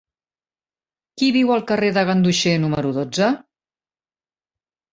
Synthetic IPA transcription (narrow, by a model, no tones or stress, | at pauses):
kiβiwəlˠkəreðəɣ̞ənd̪uʃenuməɾuðod͡zə